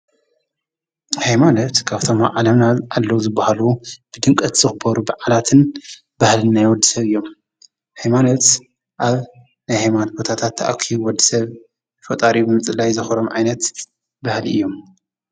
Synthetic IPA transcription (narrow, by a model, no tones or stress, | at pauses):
hajmanot̪kʰaβt̪ʰo̞ma̰ʕalɐmnaʔalːɐwzɨbːahalub̥ɨd̪ɨŋkʼɐt̪z̥ɨxɨbɐɾubɨʕalat̪ʰɨn | bahlɨnːajwɔd̪ːisɐβɨjːom | hajmanot̪ | ʔaβ | najhajmant̪̚bo̞t̪ʰat̪ʰat̪ʰːaʔa̰kʰiwɔd̪ːisɐβ | fɐt̪ʼaɾibɨmɨt͡sʼɨlajzɨxɐɾomʕajnɐt̪ | bahliɨ̰jːo̞m